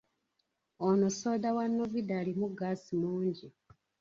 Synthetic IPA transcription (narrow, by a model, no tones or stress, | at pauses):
onosoːdawanːovidalimuɡaːsimuːɲɟi